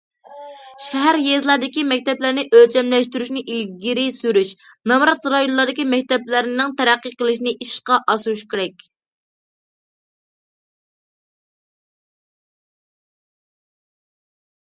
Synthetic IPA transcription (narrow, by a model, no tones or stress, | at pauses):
ʃæɦæɾjezlˠɑɾd̪ɪkʲimɛk̚ʲt̪ɛplæɾnɪʔølt͡ʃʰɛmlɛʃt̪yɾyʃnɪʔilɡʲiɾɪsyɾyʃ | nɑmɾɑt̪ɾɑjonlːˠɑɾd̪ɪkʲimɛk̚ʲt̪ɛplɪɾɪnɪŋt̪ʰæɾæqːəqʰəlˠɨʃinɪʔiʃqɑʔɑsuʃkʲʰeɾɛkʲ